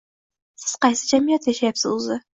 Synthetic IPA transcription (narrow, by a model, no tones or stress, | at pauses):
sɪz̥qɑjsɨd͡ʒamɪjat̪jaʃajapsɪzʊzɪ